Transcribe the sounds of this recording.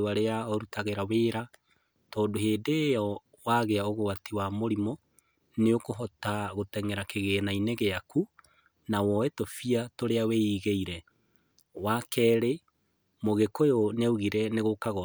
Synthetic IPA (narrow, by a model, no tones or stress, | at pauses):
waɾeaɔɾutaɣeɾaweːɾa | tɔːndoheːdeːjɔ | waɣeaoɣowatiwamoɾimɔ | neokoɦɔtaɣotɛŋɛɾakeɣeːnaineɣeaku | nawɔɛtofiatoɾeaweiɣeiɾɛ | wakɛːɾe | moɣekojoneuɣiɾɛneɣokaɣɔ